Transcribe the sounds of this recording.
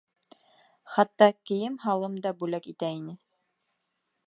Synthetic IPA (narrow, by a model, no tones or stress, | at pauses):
χɑt̪ːɑkɘ̆jɘmɦɑlˠɤmd̪ɑbʉlækit̪æinɘ